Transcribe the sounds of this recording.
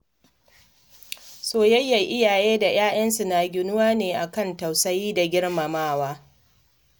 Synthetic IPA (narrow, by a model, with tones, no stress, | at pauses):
soː˦jɐ˦jːa˨ʔɪ˦jaː˨jeː˦da˨j̰aː˦j̰ɐ˦nsu˨naː˨ɡʲɪ˨nʊ˦waː˦neː˨ʔa˨kɐ˦˨nta˨wsɐ˦jiː˦da˨ɡʲɪ˦ɽma˨maː˦waː˦